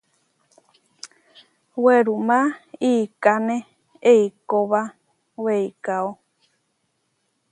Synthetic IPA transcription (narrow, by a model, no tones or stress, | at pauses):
weɾumãiːkanẽ | eikoβa | weikao